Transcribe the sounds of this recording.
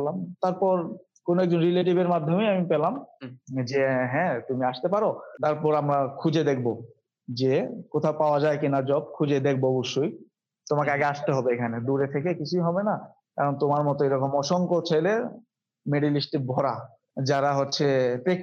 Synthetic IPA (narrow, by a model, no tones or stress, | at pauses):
lamt̪aɾpɔɾ | konoɛk̚d͡ʑonɾileʈ̬ibeɾmad̪ʱːomejamipelamd͡ʑeɦɛ̃t̪umiaʃt̪epaɾot̪aɾpɔɾamɾakʰud͡ʑed̪ek̚ʰbo | d͡ʑekot̪ʰapaoad͡ʑaekinad͡ʑɔb̚kʰud͡ʑed̪ek̚ʰboɔboʃːoj | t̪omakeaɡeaʃt̪eɦɔbeekʰaned̪uɾet̪ʰekekit͡ɕʰujɦɔbena | kaɾont̪omaɾmɔt̪oeɾɔkomɔʃoŋkot͡ɕʰele | meɖilisʈibʱɔɾa | d͡ʑaɾaɦotːɕʰepe